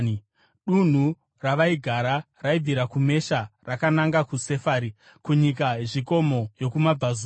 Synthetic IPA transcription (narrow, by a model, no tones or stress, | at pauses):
ɗun̤u | raʋaiɡʱaɾa | raiiɾakume̞ʃarakanaŋɡakuse̞faːɾi | kuɲikaʐiko̞mo̞jo̞kumab͡vaz